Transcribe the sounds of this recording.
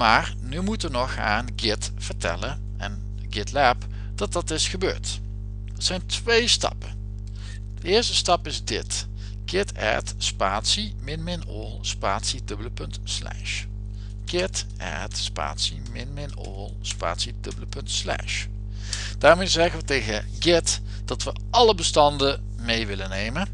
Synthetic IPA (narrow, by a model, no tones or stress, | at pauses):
maːr | nymutəʋənɔxa̰ːnɡɪt | v̥əɹtʰɛ̰lən | ɛ̰n | ɡɪtlɛp | d̥ɑt̚dɑtɪsxəbø̰ːɹt | ətsɛjntʋejstɑ̰pə | dəɪːɹstəstɑpɪzdɪt | ɡ̥ɪtʰɛ̰tspaːtsi | mɪnmɪno̰lˠspaːtsidɵbələpɵntslɛ̰ʃ | ɡ̥ɪtʔɛ̰ɹtspa̰ːtsimɪnmɪno̰lˠspa̰ːtsid̥ɵbələpɵntslɛ̰ʃ | d̥aːɹmejzɛɣəʋətejɣə | ɡɪt | d̥ɑtʋə | ɑləbəstɑndə | mejʋɪlənejmən